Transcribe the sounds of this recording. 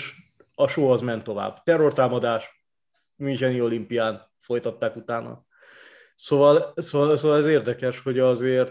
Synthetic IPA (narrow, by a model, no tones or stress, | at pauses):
ʃ | ɒʃoːɦɒzmɛnt̪ːo̞va̰ːbt̪ɛrːo̞rt̪aːmɒd̪aːʃ | mint͡ʃɛnio̞limpijaːn | fo̞jt̪ɒt̪ːaːkut̪aːnɒ̰ | sovɒlsovɒlsoːvɒlɛzeːrd̪ɛkɛʃho̞ɟɒzeːrt̪